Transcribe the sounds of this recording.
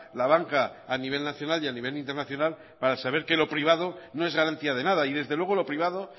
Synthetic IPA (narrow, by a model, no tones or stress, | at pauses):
laβ̞aŋkaːniβe̞lnaθjo̞naljaniβelint̪e̞ɾnaθjo̞nal | paɾasaβ̞e̞ɾke̞lo̞pɾiβ̞aðo̞no̞e̞zɣaɾant̪iað̞e̞naðaiðe̞zðe̞lwe̞ɣo̞lo̞pɾiβ̞aðo̞